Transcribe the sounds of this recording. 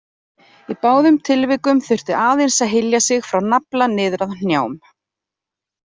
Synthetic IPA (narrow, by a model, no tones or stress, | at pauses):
ipaːwðʏmt̪ʰɪlvɪkʏmθʏr̥t̪ɪʔaːðejnsaðɦɪjljasɪɣfɾawnaplanɪːðɾaðn̥njaːwm